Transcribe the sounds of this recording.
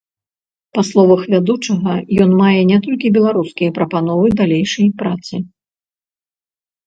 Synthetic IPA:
paslˠɔvɐxvʲad̪ut͡ʂɐɣɐjɔnmajɛnʲɛt̪ɔlʲkʲibʲɛlˠaɾuskʲijɐpɾɐpan̪ɔvɨd̪alʲejʂɐjpɾat̪sɨ

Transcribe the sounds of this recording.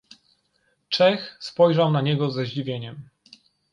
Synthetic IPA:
t͡ʂɛxspɔjʐawnaɲɛɡɔzɛʑd͡ʑivʲjeɲɛm

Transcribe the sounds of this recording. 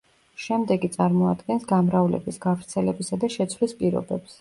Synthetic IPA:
ʃɛmd̪ɛɡit̪sʼaɾmɔad̪ɡɛnsɡamɾavlɛ̰bisɡavɾt̪sʰɛlɛbisad̪aʃɛt̪sʰvlispʼiɾɔ̰bɛps

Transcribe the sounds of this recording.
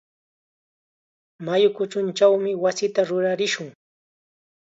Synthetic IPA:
majʊkʊt͡ʃʊnt͡ʃawmɪwasɪt̪aɾʊɾaɾɪʃʊŋ

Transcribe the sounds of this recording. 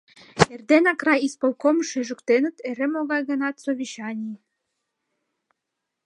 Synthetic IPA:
erd̪enɑkrɑjispolkomʃeʒukt̪enə̆t̪eɾemoɣɑjɣə̆nɑt̪soβʲiɕɑnʲi

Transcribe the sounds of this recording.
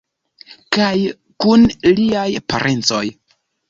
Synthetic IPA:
kaj | kunliajpa̰ɾʔent͡so̞̰j

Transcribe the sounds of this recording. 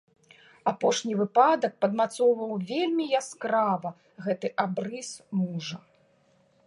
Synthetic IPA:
apɔʂnʲivɨpad̪ɐk̚pɐd̪mat̪sɔwvɐwvʲelʲmʲijaskɾavɐ | ɣɛt̪ɨʔabɾɨsmuʐɐ

